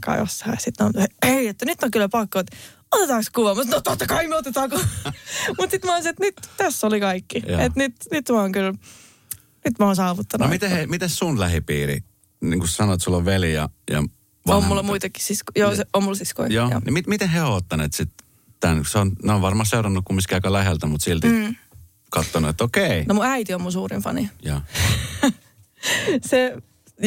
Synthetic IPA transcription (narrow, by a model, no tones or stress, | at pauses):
kɑ̰jo̰shɑ̰sit̪nont̪eeiet̪ːænyt̪ːoŋkylːæpɑkːot̪ | ot̪et̪ɑkskuʋɑmsɑnot̪ːot̪ːɑkɑimot̪ːet̪ɑko | mut̪sit̪moːnsiet̪nyt̪t̪æsːolikɑikːijenyt̪nyt̪mɑoŋkyl | nyt̪mæoːnsɑːʋut̪ːɑnmit̪ehemit̪essunlæhipiːɾḭ | niːŋkussɑnoet̪sulːoʋʋelijɑ̰jɑ̰ | ʋɑommulːɑmuit̪ekːi̥sisko̥joːseomːulsisko̰ijoːjɑ̰nimit̪mit̪eheot̪ːɑneːt̪sit̪ | t̪ænseonneoʋɑrmɑseurɑnːukkumiskiɑikɑlæhelt̪æmut̪silt̪i | kɑt̪ːonuet̪ːokeinomuæit̪iommunsuːrimfɑ̰nijɑ̰ː | se